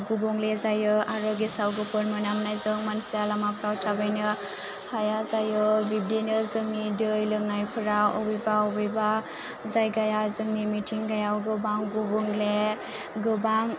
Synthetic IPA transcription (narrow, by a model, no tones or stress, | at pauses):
ɡubɔŋlezajɯaɾɔɡisawɡɯpʰɯɾmɯnamnajzɯŋmansujalamapʰɾawtʰabajnɯ | hajazajɯbibdinɯzɯŋnidɯjlɯŋnajpʰɯɾaɔ̰bɯjbaɔbɯjba | zajɡajazɯŋnimitʰiŋɡajawɡɯbaŋɡubɔŋle | ɡɯbaŋ